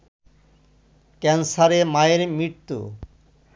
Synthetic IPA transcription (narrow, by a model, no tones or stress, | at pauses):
kɛnsaɾemaeɾmiɾt̪ːṵ